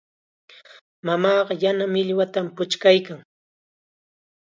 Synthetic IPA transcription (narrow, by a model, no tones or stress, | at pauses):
mamɑːɢɑjanamɪʎwat̪ampʊt͡ʃkajkaŋ